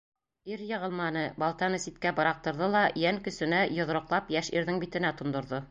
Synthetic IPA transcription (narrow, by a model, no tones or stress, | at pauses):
iɾjɤ̆ʁɤ̆lˠmɑnɤbɑlˠt̪ɑnɤsit̪̚kæbɑ̆ɾɑq̚t̪ɤ̆ɾðɤlˠɑjæŋkɵ̆sɵ̆næjŏðɾŏqlˠɑpjæʃiɾðɘŋbit̪ɘ̆næt̪ŏnd̪ŏɾðo